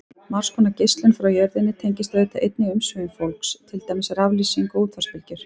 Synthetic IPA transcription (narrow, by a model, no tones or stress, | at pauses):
maɾ̥skʰɔnacejst̪lɪnfɾawjɛɾðɪnːɪt̪ʰejɲcɪst̪aðejt̪aʔejt̪nɪʏmsvœːjʏfolkst̪ʰɪlt̪ajmɪsaɾavliːsiŋkɔuːt̪ʰfaspɪlcɪɾ̥